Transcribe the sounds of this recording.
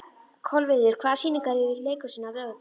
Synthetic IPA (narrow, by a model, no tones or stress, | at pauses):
kʰɔlvɪðʏɾ̥kʰvaːðsiːniŋkaɾɪɾɪleːjkʏ̥sinːaðœ